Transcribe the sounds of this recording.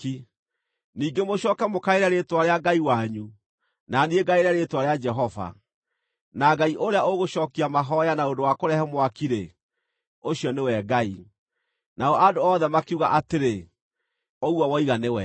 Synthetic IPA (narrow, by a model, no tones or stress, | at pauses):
i | niːɡemoɕɔːkɛmokaeɾɛɾetwaɾeaɡaiwaɲu | nanieɡaeɾɛɾetwaɾead͡ʒɛɦɔva̰ | naɡaiʔoɾeaoɣoʃɔːkiamaɦɔjanaondowakoɾɛhɛmwakiɾe | oɕjɔnewɛɡai | naɔʔadoɔðɛmakuɣa̰ʔateɾe | ɔɣuɔwɔiɣanewɛ